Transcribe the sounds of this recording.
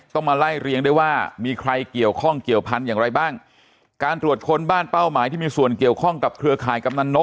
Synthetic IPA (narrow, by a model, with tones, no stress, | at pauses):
t̪ɔ˥˩ŋmaː˧la˥˩jɾi˧əŋduː˥˩jwaː˥˩miː˧kʰɾa˧jki˨˩əwkʰɔ˥˩ŋki˨˩əwpʰa˧njaː˨˩ŋɾa˧jbaː˥˩ŋ | kaː˧nt̪ɾu˨˩ət̪̚kʰo˧nbaː˥˩npa˥˩wmaː˨˦jt̪ʰiː˥˩miː˧su˨˩ənki˨˩əwkʰɔ˥˩ŋka˨˩p̚kʰɾɯ˧ɐkʰaː˨˩˦jka˧m̚na˧nːo˦˥